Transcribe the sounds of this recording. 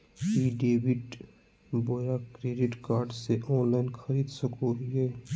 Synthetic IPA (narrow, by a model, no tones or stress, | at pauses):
iɖeːbiʈ | boɾakɾeːɖɪʈkaːɾɖseʔɔːnlaɪnxkʰəɾiːd̪səkoɦieː